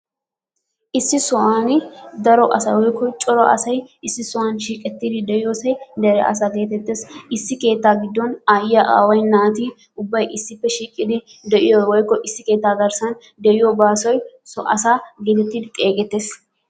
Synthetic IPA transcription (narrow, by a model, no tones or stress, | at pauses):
ʔɪsːɪsɔʔaːnɪd̪ɐɾɔʔɐsɐwɔjkːɔt͡ʃʼɔɾɔɐ̰sɐjɪsːɪsɔaːnʃiːkʼɛt̪ːiːd̪ɪd̪ɛʔɪjoːsɐjd̪ɛɾɛʔɐ̰saːke̞ːt̪ɛt̪ːeːsɪsːɪke̞ːt̪ːaːɡɪd̪ːɔnaːjɪːɐʔa̰ːwɐjnaːt̪iː | ʊbːɐjɪsːɪpːɛʃiːkʼːɪd̪ɪ | d̪ɛʔɪjɔwɔjkːɔʔɪsːɪke̞ːt̪ːaːɡɐɾsɐn | d̪ɛʔɪjɔbaːsɔjsɔ̰ʔɐ̰saːɡeːt̪ɛt̪ːiːd̪ɪt̪ʼeːɡɛt̪ːeːs